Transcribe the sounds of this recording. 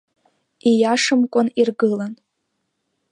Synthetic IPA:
ijaʂɨmkʷʼʊnirɡɨlan

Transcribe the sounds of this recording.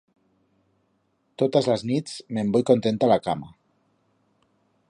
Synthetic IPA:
t̪ot̪azlaznit͡smembojkont̪ent̪alakama

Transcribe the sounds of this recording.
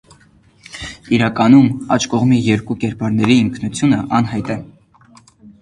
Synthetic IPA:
iɾɑkɑnumɑ̰t͡ʃʰkɔʁmijɛɾkukɛɾpɑɾnɛɾiəŋkʰnut͡sʰjunəʔɑnɦɑjt̪ɛ

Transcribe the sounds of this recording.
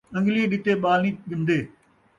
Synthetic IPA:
ɐ̃ŋɡliːeɗɪt̪eɓaːlnĩːɠɪnd̪eː

